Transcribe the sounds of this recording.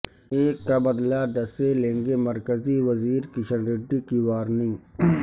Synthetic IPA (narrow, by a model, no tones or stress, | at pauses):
eːkːabɐd̪laɖ̪ɐselẽːŋɡemɐɾkəziʋɐziːɾkɪʃənɾeːɖikiʋaːɾnɪ̃